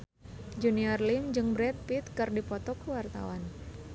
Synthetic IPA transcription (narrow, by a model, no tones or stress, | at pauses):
d͡ʒuniɔrlimd͡ʒɨŋbɾɛt̪̚pit̪kɨrdipɔt̪ɔkuwart̪a̰wan